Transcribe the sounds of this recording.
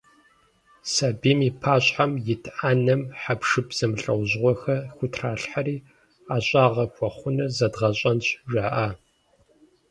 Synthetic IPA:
saːbiːmiːpʰaːɕʼħamjɪtʰʔaːnɐmħapʰʂɨpz̥ɐmɬʼɐ̰wʑʁʷɔxɐxʷʊtʰraːɬħariː | aːɕʼaːʁɐxʷɔχʷʊnɐrzɐdʁɐɕʼɐnɕʒʷaːʔaː

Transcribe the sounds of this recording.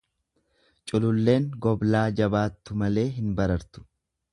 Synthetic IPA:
t͡ʃʼʊlʊlːe̞ːŋɡɔblaːd͡ʒɐbaːt̪ːʊmɐle̞ːɦɪnbɐɾɐɾt̪ʊ̥

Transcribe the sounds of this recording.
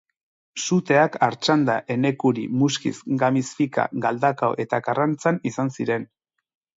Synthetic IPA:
sut̪e̞akaɾt͡ʃand̪aʔe̞ne̞kuɾḭmuskḭsɡamisfika̰ɡald̪akaoʔe̞t̪akarant͡sanisansiɾe̞n

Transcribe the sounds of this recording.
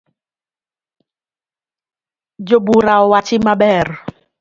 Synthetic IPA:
d͡ʒobuɾaɔwat͡ʃɪmabɛɾ

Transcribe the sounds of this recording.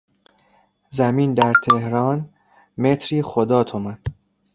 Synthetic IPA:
zæmiːnd̪æɾt̪ʰehɾɒːn | met̪ʰɾiːxod̪ɒːt̪ʰomæn

